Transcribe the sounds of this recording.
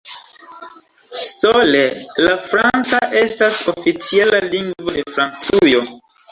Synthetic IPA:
solelafɾant͡saʔe̞staso̞fit͡sialaliŋɡvo̞de̞fɾant͡sujo̞

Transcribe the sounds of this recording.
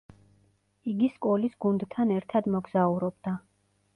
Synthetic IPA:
iɡiskʼɔlisɡ̥und̪t̪ʰːanɛɾt̪ʰad̪mɔɡz̥auɾɔbd̪̥a

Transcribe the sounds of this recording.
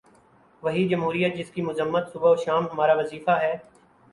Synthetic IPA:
ʋɐɦid͡ʒɐmɦuːɾijət̪̚d͡ʒɪskimʊzəmːət̪sʊbaoːʃaːmɦɐmaːɾaʋɐziːfaɦɛː

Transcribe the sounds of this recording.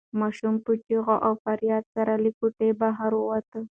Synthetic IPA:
mɑʃumput͡ʃiɣoʔawfaɾjɑd̪̚saɾalikuʈebaɦaɾuwat̪ə

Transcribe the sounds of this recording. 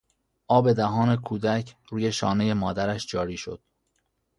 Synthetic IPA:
ʔɒːbe̞d̪æɦɒːne̞kʰuːd̪æcʰɾuːje̞ʃɒ̰ːne̞je̞mɒːd̪æɾæʃd͡ʒɒːɾiːʃo̞̰d̪̥̚

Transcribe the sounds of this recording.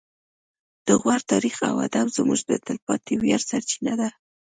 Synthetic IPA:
d̪̥əɣwaɾt̪ɑɾixa̰wa̰d̪abzmuʒd̪ət̪ɪlpɑt̪iwjaɾsaɾt͡ʃinad̪a

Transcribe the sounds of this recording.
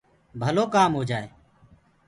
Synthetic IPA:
bʱəloːkaːmɦoːd͡ʒaːeː

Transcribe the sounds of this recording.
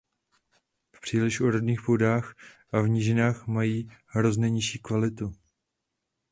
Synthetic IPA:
fpr̝̥iːlɪʃʔoɾodɲiːxpodaːxʔavɲɪʒɪnaːxmajiːɦɾo̞zɲɛɲɪʃiːkvalɪt̪u

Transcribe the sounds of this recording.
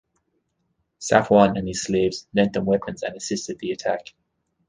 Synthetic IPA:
sa̰fwɒ̃nə̃nɪz̥sliːvz̥nɛ̃ntə̃nwɛpʰə̃nzə̰̃nəsɪstɪd̪̚ðiətʰak

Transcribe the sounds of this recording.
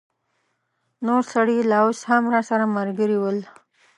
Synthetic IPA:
noɾsaɽilɑushamɾɑsaɾamaɾɡəɾiwəl

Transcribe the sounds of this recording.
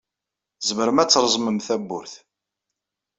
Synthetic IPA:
zəməɾmæt͡sːɾˤəzˤməmθæbːʊɾθ

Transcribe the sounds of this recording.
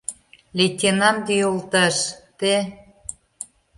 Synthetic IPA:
lʲetʲenɑnd̪ijolt̪ɑʃt̪e

